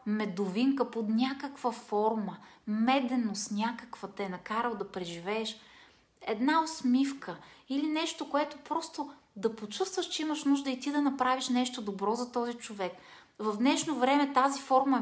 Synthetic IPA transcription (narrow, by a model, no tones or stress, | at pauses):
mɛd̪oviŋkəpod̪nʲakəkv̥əfɔɾməmɛd̪ɛnost̪nʲakəkvət̪ɛɛnɐkaɾəlˠd̪ɐpɾɛʒivɛːʃ | ɛd̪naosmifkəilinɛʃt̪okoɛt̪opɾɔst̪o | d̪ɐpot͡ʃust̪vəʃt͡ʃɛimɐʃnuʒd̪əit̪id̪ɐnɐpɾaviʃnɛʃt̪od̪obɾɔzɐt̪ɔzit͡ʃovɛk | vɐvd̪nɛʃnovɾɛmɛt̪azifɔɾmɐ